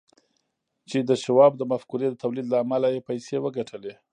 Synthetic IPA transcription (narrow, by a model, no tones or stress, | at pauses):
t͡ʃed̪əʃawɑb̚d̪əmafkuɾed̪ət̪awlid̪laːmalajepajsewəɡaʈʰəle